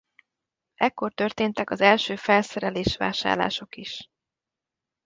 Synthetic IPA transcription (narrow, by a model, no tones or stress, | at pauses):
ʔɛkːo̞rt̪ø̞rt̪eːnt̪ɛkɒzɛlʃøːfɛlsɛɾɛleːʃʋa̰ːʃa̰ːrla̰ːʃo̞kiʃ